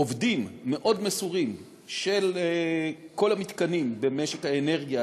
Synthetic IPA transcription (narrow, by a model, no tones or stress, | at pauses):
ovdimːe̞ʔo̞dmesuʁim | ʃel | ko̞lamit̪kanimbe̞meʃekhaene̞ʁɡija